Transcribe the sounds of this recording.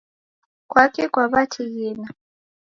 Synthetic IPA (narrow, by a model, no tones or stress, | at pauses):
kwakʼɛkʼwaβatʰijiːna